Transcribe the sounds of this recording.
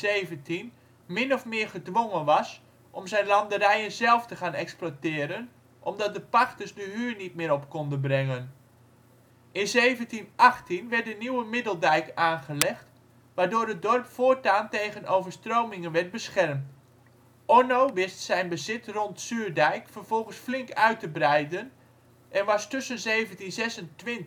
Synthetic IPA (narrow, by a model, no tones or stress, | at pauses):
evəntin | mɪnɔfmɪːɹχədʋoŋənʋɑs | ʔɔmzɛjnlɑndəɾɛjənzɛlˠftəχaːnɛksplotɪːɾən | ʔɔmdɑt̚dəpaχtəsdəɦyːɹnit̚mɪːɾɔpkɔndənbrɛŋən | ɪnzejvəntinɑχtinʋɛɹt̚dəniwəmɪdəlˠdɛjkaːnχəlɛχt | ʋaːɹdoːɹədɔrpfʊːtaːntejɣənowvəɹstrowmɪŋənʋɛɹt̚bəsχɛrmt | ɔnoʋɪstsɛjnbəzɪtrɔntsyːɹdɛjkfərv̥ɔlˠχənsflɪŋkœɥtəbrɛjdən | ʔɛnʋɑstʏsənzeːvəntinzɛsəntʋɪnt